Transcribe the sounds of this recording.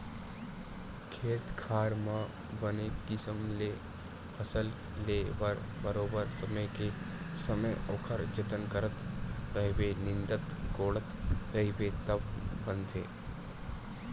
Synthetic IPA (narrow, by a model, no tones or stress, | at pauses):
kʰeːt̪kʰaːɾmã | bənekɪsəmle | pəsəl | leːʋəɾ | bəɾoːbəɾsəməjke | səməjoːkʰəɾd͡ʒət̪ənkəɾət̪ːəɦibenɪ̃nd̪ət̪ɡoːɽət̪t̪əɦɪbet̪əbbə̃nd̪ʰʱḛː